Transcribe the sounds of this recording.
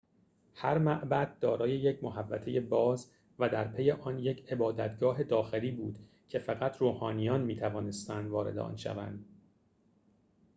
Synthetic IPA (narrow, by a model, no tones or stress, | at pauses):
hæɾmæʔbæd̪̥̚d̪ɒːɾɒːje̞jecʰmoɦævːæ̰t̪ʰe̞je̞bɒːz | væd̪æɾpʰe̞je̞ʔɒnje̞cʰe̞bɒːd̪æt̪ɡɒːɦe̞d̪ɒːxe̞liːbuːd̪̥ | cʰe̞fæɣæt̪ʰɾoːhɒːnijɒːnmiːt̪ʰævɒːne̞st̪ænd̪vɒːɾe̞d̪eʔɒ̰ːnʃæ̰væ̰nd̪̥